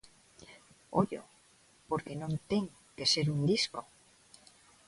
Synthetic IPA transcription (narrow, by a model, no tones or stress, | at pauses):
oʎo̰ | poɾkenõnt̪eŋ | kese̞ɾund̪isko